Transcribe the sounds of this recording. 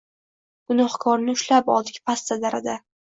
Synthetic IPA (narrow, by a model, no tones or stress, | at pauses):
ɡ̥ʊnɒχkʰɒɾnɪʊʃlapɒ̰lˠd̪ɪkʲpʰast̪ad̪aɾa̰d̪a